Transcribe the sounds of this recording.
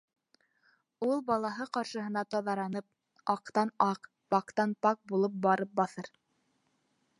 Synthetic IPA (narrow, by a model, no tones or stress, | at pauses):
ulˠbɑlˠɑɦɤqɑɾʃɤ̆ɦɤ̆nɑt̪ɑðɑɾɑnɤp̚ | ɑqt̪ɑnɑq | pɑqt̪ɑnpɑk̚bulˠɤp̚bɑɾɤp̚bɑθɤɾ